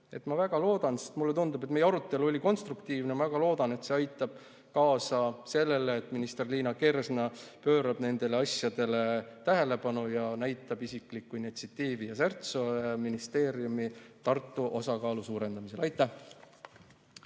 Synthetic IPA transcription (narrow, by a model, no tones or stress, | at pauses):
e̞t̪ːˑmɑvæɡ̥ɑlo̞ːd̪̥ɑnsest̪mulːeund̪ub̥et̪ːmejeɑɾut̪ːˑe̞luo̞lʲiko̞nst̪rukt̪iːvnemɑvæɡɑlo̞ːd̪̥ɑne̞t̪se̞ɑjt̪ːˑɑb̥̚ | kɑːsɑse̞lːe̞leːt̪ːˑminist̪e̞rliːnɑke̞ɾesnɑpøːɾɑb̥ne̞nd̪̥e̞leɑsjɑd̪̥e̞le̞t̪æɦe̞le̞pɑnujɑnæjt̪ːˑɑb̥isiklikːuinit̪siɑt̪ːiːvijɑsert̪soeminist̪e̞ːɾiumit̪ɑrt̪ːˑuʔo̞sɑkɑːlusuːɾe̞nd̪̥ɑmise̞lɑjt̪ːˑæh